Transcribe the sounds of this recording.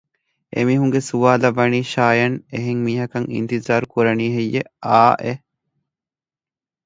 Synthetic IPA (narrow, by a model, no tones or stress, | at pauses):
ʔḛmiːɦuŋɡesuʋaːlɐʋɐniːʃaːjɐneɦeŋmiːɦɐkɐŋḭnt̪izaːɾukuɾɐniːɦejːeaːʔe